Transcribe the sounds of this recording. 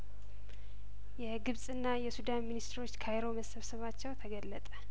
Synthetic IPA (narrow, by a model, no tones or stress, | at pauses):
jɛɡɨβsʼɨnːajɛsud̪anminist̪ɾo̞t͡ʃːkʰajɾo̞məsəβsəβat͡ʃːɛwt̪ʰəɡəlːət̪ʼə